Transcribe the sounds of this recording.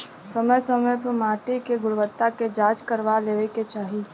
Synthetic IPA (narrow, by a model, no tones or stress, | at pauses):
sɐməjsəməjpəɾmaːʈikeɡʊɽʋət̪ːaked͡ʒaːt͡ʃkəɾʋaleːʋeket͡ʃaːɦiː